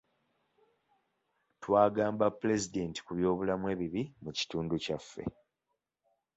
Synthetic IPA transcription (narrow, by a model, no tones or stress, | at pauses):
twaːɡaːmbapːule̞zide̞ːnti̥kuβjo̞ːβulamwe̞ːβiβimuci̥tuːnducafːḛ